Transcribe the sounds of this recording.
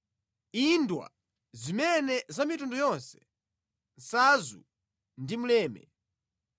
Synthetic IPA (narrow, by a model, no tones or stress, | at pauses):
indwa̰ | zimɛnɛzamitundɔjɔnsɛ̥ | n̩sazṵ | ndimulɛːmɛ̰